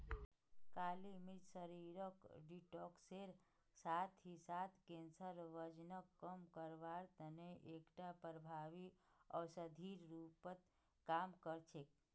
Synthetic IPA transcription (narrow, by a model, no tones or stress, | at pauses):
kaːlimid͡ʒsəɾiɾəkɖiʈɔːkseɾ | saːt̪ʰɦisaːt̪ʰkensəɾʋəd͡ʒnəkːəmkəɾʋaːɾt̪əneʔekʈapəɾəbʱaːʋiɔːsəd̪ʱiːɾɾupət̪ | kaːmkəɾt͡ʃʰek̚